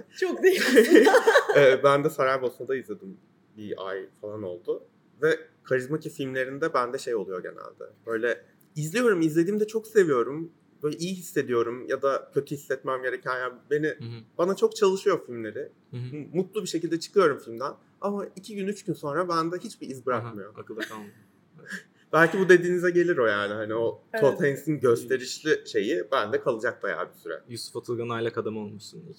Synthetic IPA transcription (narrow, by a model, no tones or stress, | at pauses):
t͡ʃʰokd̪ei | ɛːbænd̪ɛsaɾaɾbolˠsund̪aizlʲe̞d̪im | bia̰jfalˠano̞̰lˠd̪ʊ | vɛ | kʰaɾizmacifilʲmlʲe̞ɾind̪ɛbænd̪ɛʃe̞jo̞lˠujo̞ɟe̞næ̰lʲd̪ɛ̰bø̞jlʲɛ | izlʲijo̞ɾumizlʲed̪iːmd̪ɛt͡ʃʰo̞kse̞vijo̞ɾum | bøjlʲɛʔijiɦisːe̞d̪ijo̞ɾumjad̪acʰø̞t̪ʰyhisːɛt̪mæmɟe̞ɾecʰænjaːnbe̞nib̥anat͡ʃʰo̞k̚t͡ʃʰalˠɯʃɯjo̞filʲmlʲe̞ɾɪ | mut̪lˠubiʃe̞cilʲd̪ɛt͡ʃʰɯ̥kʰɯjo̞ɾumfilʲmd̪æn | amaicʰiɟynyt͡ʃɟynso̞nɾabænd̪ɛɦit͡ʃbiizbiɾakmɯjo̞akɯlˠakʰalˠm | bælʲcibud̪e̞d̪iːnizɛɟe̞lʲiɾo̞jaːnihanio̞t̪ʰot̪ʰensinɟø̞st̪ʰe̞ɾiʃlʲiʃe̞jibænd̪ɛkʰalˠɯd͡ʒak̚d̪aja̰ːbisyɾɛ̰jusu̥fat̪ʰɯlˠɡanajlˠakad̪amolˠmuʃsunuz̥